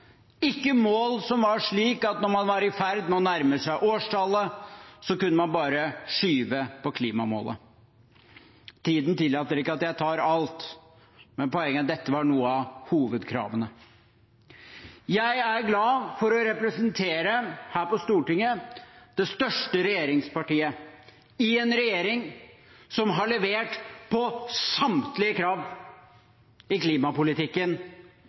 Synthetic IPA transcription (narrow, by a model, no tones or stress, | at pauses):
ɪkːəmoːlsɔmʋɑʂɭiːkɑt̪nɔɾmɑnʋɑɾɪfæɾd̪nɛɔnæɾməsæɪʔoːʂʈʰɑlːəsɔkʉnːəmɑnbɑːɾəʂyːʋəpʰɔkʰliːmɑmo̰ːlʔə̰ | t̪ʰiːd̪nt̪ɪlːɑːt̪əɾɪkːəɑt̪jæɪt̪ʰɑːɾɑlt̪ | mɛnpɔɛŋːəd̪ɛt̪ːəʋɑɳuːəɑhuːʋəd̪kʰɾɑ̰ːʋənə | jæɪæɾɡlɑːfɔɾɔɾɛpɾəsənt̪ʰeːɾəhæːɾpɔst̪uːʈɪŋːəd̪̥ɛst̪œʂʈəɾɛjeːɾɪŋspɑʈiːə | ɪɛnɾɛjeːɾɪŋsɔmɦɑɭɛʋeːʈpʰɔsɑmt̪lɪəkʰɾɑːʋ | ɪkliːmɑpʊlɪt̪ɪkːən